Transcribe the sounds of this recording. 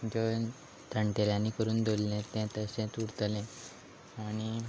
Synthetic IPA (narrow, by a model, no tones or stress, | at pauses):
d͡ʑɔ | t̪ʰəɳʈeɾjãnːikəɾuːnd̪ollẽt̪ɛ̃t̪əsẽt̪uɽt̪lẽ | aɽ̃i